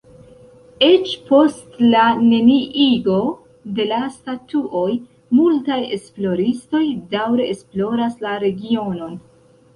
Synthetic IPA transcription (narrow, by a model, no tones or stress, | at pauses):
e̞t͡ʃpo̞stlane̞niʔiɡo̞ | de̞lastatuʔo̞j | multaje̞̰splo̞ɾisto̞jdawɾe̞esplo̞ɾaslaɾe̞ɡio̞no̞n